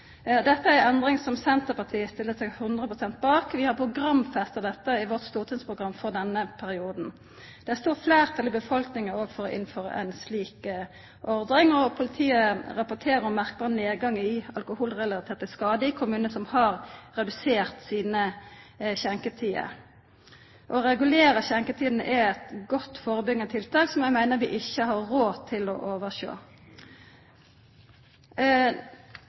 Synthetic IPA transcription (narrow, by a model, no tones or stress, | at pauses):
d̪ɛt̪ːəæɾɛɛnd̪ʁɪŋsɔmsɛnt̪əpɑt̪ʰiːəst̪ɪlːət̪sɛɡhʉnd̪ʁəpʁʊsɛnt̪̚bɑːkʋɪhɑʁpʰʁʊɡʁɑmːfɛst̪əd̪ɛt̪ːəɪʋɔʁt̪st̪uːʁt̪ʰɪnspʰʁʊɡʁɑmːfɔʁd̪ɛnːəpʰæʁɪuːd̪n̩ | d̪̥ɛæʁst̪uːʁfleːʁt̪ʰɑlɪbəfɔlknɪŋəoːɡfɔʁɔʔɪ̰nføːʁə̰ʔɛ̰ɪnsliːk | ʔɔʁd̪nɪŋɔpʰʊlɪt̪ʰiːəʁɑpʊt̪ʰeːɾəɾɔmːæʁk̚bɑːʁəneːd̪ɡɑŋːəɪɑlkʊhuːlʁɛlɑt̪ʰeːt̪əskɑːd̪əɪkʰʊmʉːnəsɔmhɑːʁʁɛd̪ʉseːʁt̪siːnə | çɛŋkət̪ʰiːə̰ | ʔɔʁɛɡʉleːʁəçɛŋkət̪ʰiːd̪n̩əʔɛɛt̪ɡɔt̪ːfoːʁəbʏɡənət̪ʰɪlt̪ʰɑːksɔmjæɪmæɪnəɾʋɪ̰ːʔɪçəhɑɾʁoːt̪ʰɪlɔ̰ʔoːʋəʁʃo̰ː